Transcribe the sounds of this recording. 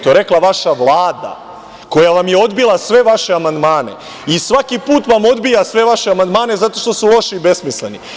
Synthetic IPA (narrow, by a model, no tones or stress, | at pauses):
t̪oɾe̞klˠaʋaʃaʋlˠaːd̪a̰ | ko̞jaʋamje̞o̞d̪bilˠasʋe̞ʋaʃe̞amand̪maːne̞̰ | isʋakipuːt̪ʋamo̞d̪bijasʋe̞ʋaʃeamand̪maːne̞zat̪o̞ʃt̪o̞sulˠo̞ʃiːbe̞smislḛni